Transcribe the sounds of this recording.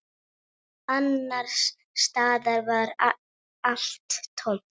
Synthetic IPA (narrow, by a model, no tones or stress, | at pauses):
anːaɾ̥sː | t̪aːðaɾvaɾ | al̥t̪ʰːon̥